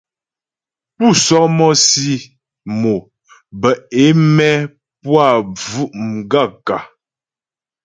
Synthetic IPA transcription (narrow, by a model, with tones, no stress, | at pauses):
pu˦˨sɔ˦k̚mɔ˦si˦ | mo˨ | bə˨e˨˦mɛ˦ | pwa˦˨b͡vu˦ʔm˨ɡa˦˨ka˨